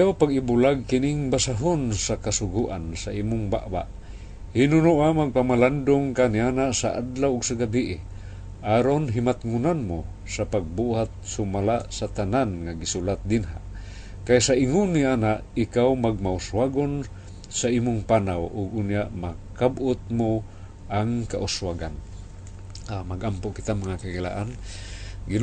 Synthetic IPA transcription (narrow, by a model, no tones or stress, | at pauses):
jawpaɡɪbulaɡ̚kɪnɪŋbasaɦonsakasʊɡuʔansaʔiːmʊŋba̰ʔba̰ʔ | hinʊnuʔamaɡ̚pamaland̪ʊŋkaniʔanaʔsa̰ʔa̰d̪lawʔʊɡsaɡabiʔɪ | ʔaːɾonɦimat̪ŋunanmʊ | sapaɡ̚buhat̪̚sʊmalaʔsat̪ananŋaɡɪsulat̪̚d̪ɪnɦa̰ʔ | kajsaʔɪŋʊnːiʔanaʔɪkawmaɡ̚maʊswaɡon | saʔimʊŋpanawʔʊɡ̚ʔʊnjaʔmakabʔʊt̪̚mʊ | ʔaŋkaʔʊswaɡan | amaɡʔampʊʔkɪt̪amaŋakakila̰ʔan | ɡi